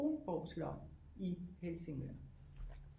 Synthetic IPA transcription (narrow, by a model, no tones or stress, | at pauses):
ob̥ɒʊslɒ̰̥ | ihelse̝ŋʋæɐ̰